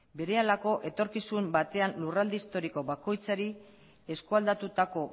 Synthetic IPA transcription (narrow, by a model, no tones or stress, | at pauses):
be̞ɾe̞alako̞ʔe̞t̪o̞ɾkisumbat̪e̞anlurald̪iist̪o̞ɾiko̞βako̞jt͡saɾi | e̞skuald̪at̪ut̪ako̞